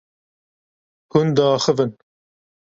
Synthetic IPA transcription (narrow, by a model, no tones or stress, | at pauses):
hund̪aːxəvɨn